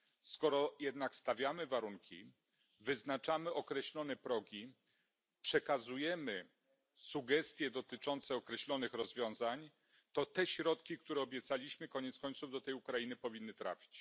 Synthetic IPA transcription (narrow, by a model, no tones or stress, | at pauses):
skɔɾɔjɛd̪nakst̪avʲjamɘvaɾuŋkʲḭ | vɘznat͡ʂamɘɔkɾɛɕlɔnɛpɾɔɡʲi | pʂɛkazujɛmɘ | suɡɛst̪ʲjɛd̪ɔt̪ɘt͡ʂɔnt̪sɛɔkɾɛɕlɔnɘxɾɔzvʲjɔ̃w̃zaɲ | t̪ɔt̪ɛɕɾɔt̪kʲikt̪uɾɛɔbʲjɛt̪salʲiɕmɘkɔɲɛt̪skɔɲ̃t̪suvd̪ɔt̪ɛjukɾajinɘpɔvʲinːɘt̪ɾa̰fʲi̥t͡ɕ